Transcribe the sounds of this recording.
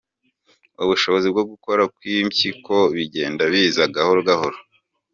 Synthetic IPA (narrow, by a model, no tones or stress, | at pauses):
uβuʃo̞βo̞zibɡoɡuko̞ɾakwimciko̞βiɟe̞ːndaβiːzaɡahoɾɡahoɾo